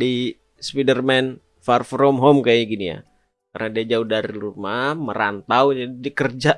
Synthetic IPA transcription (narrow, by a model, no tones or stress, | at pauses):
di | spidərmɛn | farfɾɔmɦɔmkajiɡinija̰ | karnadiad͡ʒaudaɾilurmaməɾa̰nt̪awd͡ʒadidiakərd͡ʒa